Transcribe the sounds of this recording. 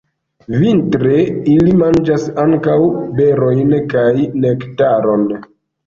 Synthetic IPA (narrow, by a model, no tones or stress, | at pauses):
vintɾe̞ilimand͡ʒasaŋkawbe̞ɾo̞jnkajne̞ktaɾo̞n